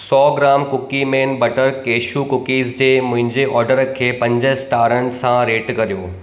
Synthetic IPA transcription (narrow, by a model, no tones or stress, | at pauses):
sɔːɡɾaːmkʊkimẽːnbɐʈəɾkeːʃukʊkiːzd͡ʑeːmʊ̃ɦɪ̃ɲd͡ʑeʔɔːɾɖəɾkʰeːpɐ̃ɲd͡ʑəɦsʈaːɾənɪ̆sãɾeːʈkɐɾijoː